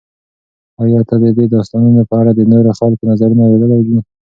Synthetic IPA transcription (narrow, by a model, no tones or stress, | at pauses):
ɑjɑt̪ad̪əd̪ed̪ɑst̪ɑnənolapɑɾad̪əneɾaxɑlkonazaɾunaweləlajd̪i